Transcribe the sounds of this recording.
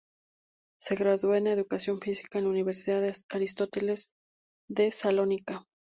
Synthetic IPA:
se̞ɣɾaðwenaeðukasjo̞ɱfisi̥kaenlauniβe̞ɾsiðaðeaɾist̪o̞t̪ele̞z | ðe̞salo̞nika

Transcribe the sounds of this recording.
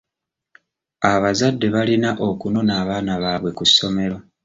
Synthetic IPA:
aβazadːe̞βalinaʔo̞kuno̞naːβaːnaβaːβwe̞kusːo̞me̞ɾo̞

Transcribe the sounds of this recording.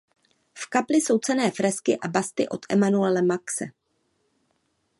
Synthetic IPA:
fkaplɪso̞wt͡sɛnɛːfɾɛskɪʔabast̪ɪ̰ʔo̞̰t̪ʔɛ̰manuɛlɛmaksɛ̰

